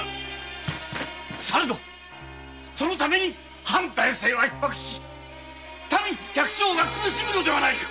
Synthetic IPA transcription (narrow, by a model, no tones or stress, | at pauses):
saɾɯd̪o | so̞no̞t̪ame̞ɲ̟i | hãnt̪aise̞ːβaipːakɯ̟̥ɕi̥ | t̪amɯkʲakɯ̟̥ɕo̞ːɡakɯbɯɕimɯno̞d̪e̞βanaikḁ